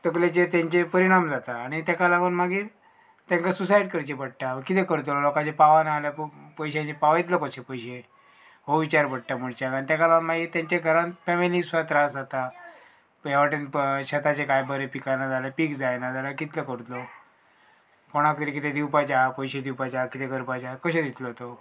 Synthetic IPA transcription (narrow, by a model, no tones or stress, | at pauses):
t̪əklet͡ɕet̪jãɲt͡ɕepəɾiɽ̃amd͡zat̪aːɽ̃it̪jakalapəɳmaɡiːɾ | t̪jãŋkasusajɖkəɾt͡ɕepəɽ̚ʈaəkit̪ekəɾt̪̬olokat͡ɕepaʋanaːlappəjɕãt͡ɕepaʋait̪ləkəsepəjɕe | ɦoʋit͡ɕaɾpəɽ̚ʈaməɽt͡ɕakanit̪jakalaənmaɡiːɾt̪ãɲt͡ɕaɡʱəɾãnfɛmilisʋat̪ɾasd͡zat̪a | jaʋaʈenɕət̪at͡ɕekajbəɾepikanad͡zaləpiːkd͡zajnad͡zalakit̪ləkəɾt̪lɔ | koɽ̃akit̪ɾek̬it̪ed̪iwpat͡ɕaapəjɕed̪iwpat͡ɕakit̪eɡʱəɾpat͡ɕakəɕed̪it̪lɔt̪o